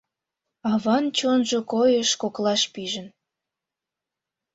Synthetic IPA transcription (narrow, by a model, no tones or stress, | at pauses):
ɑβɑnt͡ɕonʒokojəʃkoklɑʃpiʒə̆n